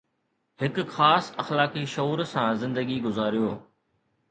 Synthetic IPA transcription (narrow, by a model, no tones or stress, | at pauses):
hɪkxaːsɐxlaːkiʃouːɾsãzɪ̃nd̪əɡiɡʊzaːɾijoː